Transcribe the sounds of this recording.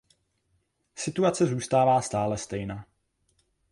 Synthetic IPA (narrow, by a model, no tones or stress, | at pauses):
sɪt̪uat͡sɛzuːst̪aːvaːst̪aːlɛst̪ɛjnaː